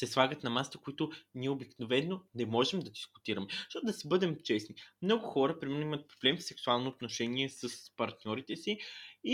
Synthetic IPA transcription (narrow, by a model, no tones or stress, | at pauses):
sɛslˠaɡət̪nɐmast̪əkʊit̪ʊniɛʊbiknovɛnːonɛmɔʒɛmd̪ɐd̪iskʊ̥t̪iɾɐmɛʃt̪ɔt̪ʊd̪ɐsibɤd̪ɛmt͡ʃɛsnimnɔɡʊxɔɾəpɾimɛnːoimət̪̚pɾoblɛmfsɛksualˠnoːt̪noʃɛniɛsəspɐɾt̪nʲjɔɾit̪ɛsii